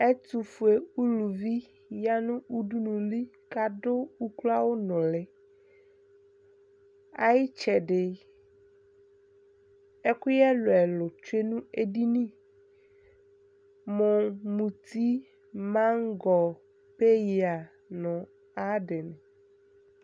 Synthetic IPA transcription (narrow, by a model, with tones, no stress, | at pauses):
e˦t̪u˨fu˨e˨u˦lu˨vi˦ | ja˦nũ˦u˦ɖu˦nũ˨li˦ | ka˦ɖʊ˦u˦kla˦wo˦nɔ̃˨lɛ˨ | a̰˦jɪ˦t͡ʃɛ˨ɖɪ˨ | e˦ku˦jɛ˦lo˨ɛ˨lʊ˨t͡ʃe˦nũ˦e˦ɖi˦nĩ˦˨ | mo˨mũ˨t̪i˦ | mã˦ŋ˦ɡɔ˨ | pe˦ji˨a˨ | nɔ̃˨ | a˦ɖɪ˨nɛ̃˨